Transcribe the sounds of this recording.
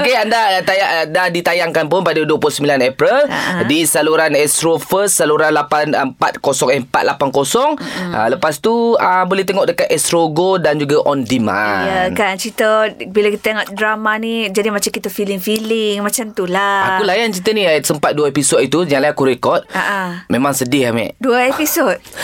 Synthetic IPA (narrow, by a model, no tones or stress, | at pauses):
okeandat̪ajaʔndadit̪ajaŋkanp̬ʊnpadaduəpuʊsəmbilanɛpɾəladisaluɾanɛst̪ɾofəssaluɾanlapanəmpa̰t̪̚kosɔŋɛmpa̰t̪̚lʔapankosɔŋa̰ləpast̪uəbolɛht̪eŋɔʔ̚dəkat̪̚ɛst̪ɾoɡodand͡ʒuɡaʔɔndima̰jəkant͡ʃit̪əbilakit̪əaŋat̪̚dɾamanid͡ʒadimat͡ʃamkit̪əfilɪŋfilɪŋmat͡ʃamt̪ulaakulajant͡ʃit̪ənisəmpat̪̚duaepisɔt̪it̪uɲaŋlaakuɾekɔt̪̚aʔamemãŋsədɪhamɛ̰ʔduəepisot̪̚